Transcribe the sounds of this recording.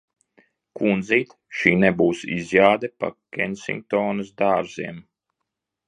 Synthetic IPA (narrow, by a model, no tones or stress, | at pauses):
kund̪ziːt̪ | ʃiːnɛbuːsḭzjaːd̪ɛpa̰kʲɛnsʲḭŋk̚t̪ɔːnɨsd̪aːɾziɛm